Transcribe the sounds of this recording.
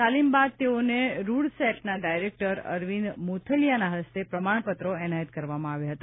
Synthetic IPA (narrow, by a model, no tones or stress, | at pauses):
t̪alimbad̪̚t̪eoneɾuɽsɛʈnaɖajɾek̚ʈəɾə̰ɾʋinmot̪ʰəljanaɦəst̪epɾəmaɳ̃pət̪ɾoɛnajət̪̚kəɾʋamãaʋjaɦət̪a